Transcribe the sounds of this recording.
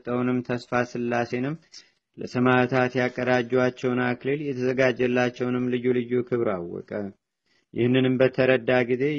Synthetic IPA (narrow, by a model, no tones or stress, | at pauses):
t̪ʼəwnɨmt̪ʰəsfasɨlːase̞nɨmː | lə̰səmat̪ʰat̪jakʼːəd̪ad͡ʒːɛwat͡ʃːɛwnakleljɛt̪ʰəzəɡad͡ʒɛlːat͡ʃːɛwnɨmːlɨjulɨjukʰɨβɾawːɔ̰kʼə | jʔɪ̰hnːɨnɨmbət̪ʰəɾəd̪ːaɡize̞